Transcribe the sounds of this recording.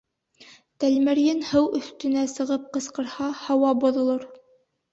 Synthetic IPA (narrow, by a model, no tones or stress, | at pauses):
t̪ælmɘ̆ɾjɘnhɤwɵ̆θt̪ɵ̆næsɤ̆ʁɤp̚qɤ̆sqɤ̆ɾhɑhɑwɑbŏðŏlˠoɾ